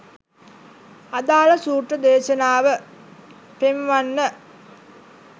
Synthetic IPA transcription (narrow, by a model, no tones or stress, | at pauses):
ad̪aːləsuːʈrəd̪eːʃənaːʋə | pemʋanːə